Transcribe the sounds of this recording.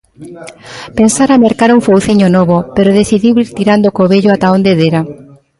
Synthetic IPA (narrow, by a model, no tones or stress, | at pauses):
pensaɾameɾkaɾuɱfowθeɲonoβopeɾoðeθiðiwiɾt̪iɾand̪okoβeʎoat̪aond̪eðeɾa